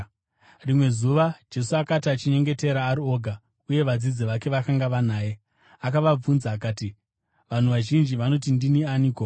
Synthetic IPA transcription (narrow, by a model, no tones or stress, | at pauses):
rimwe̞zuʋad͡ʒe̞suakatiat͡ʃiɲe̞ŋɡe̞te̞ɾaːɾio̞ːɡʱa | uje̞ʋad͡zid͡ziʋake̞ʋakaŋɡaʋanaːje̞ | akaʋab͡vunzaːkaːti | ʋan̤uʋaʒind͡ʒiʋano̞tindinianiːko